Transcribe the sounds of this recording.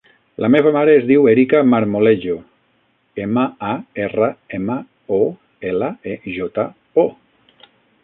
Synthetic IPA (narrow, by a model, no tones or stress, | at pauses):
lʔameβamaɾeːzðiweɾikamaɾmoleʒo | eməaerəemə | o | eləeʒɔt̪a | o